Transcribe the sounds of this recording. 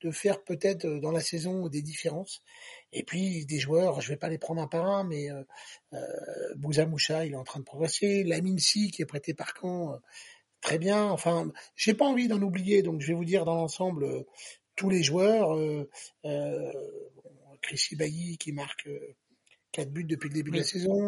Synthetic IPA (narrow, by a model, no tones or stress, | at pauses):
d̪̥əfɛʁpøt̪ɛt̪ød̪ɑ̃lasɛzɔ̃d̪ed̪ifeʁɑ̃sḛpɥid̪eʒwœʁʒəvɛpalepχɑ̃d̪ʁɛ̃paʁɛ̃mɛøø̰buzamuʃailɛt̪ɑ̃t̪χɛ̃d̪əpχɔɡʁɛselaminsikʲiɛpχɛt̪epaʁkʰɑ̃ø | t̪χɛbjɛ̃ɑ̃fɛ̃ʒepaɑ̃vid̪ɑ̃nublijed̪ɔ̃kʒəvɛvud̪iʁd̪ɑ̃lɑ̃sɑ̃blø | t̪uleʒwœʁøø | bɔ̃kχisibajikʲimaʁkø | kat̪byt̪̚d̪əpɥiləd̪ebyd̪lasezɔ̃